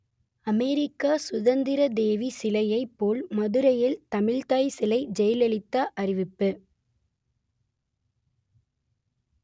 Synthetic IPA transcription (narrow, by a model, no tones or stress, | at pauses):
ɐmɛɾɪkːaːsʊðɐnd̪ɪɾɐd̪eːʋisɪlɐjɐɪpːoːlmɐðɯɾɐjɪlt̪ɐmɪɻt̪aːjsɪlɐɪd͡ʒɛjɐlɛɭɪt̪ːaʔɐɾɪʋɪpːɯ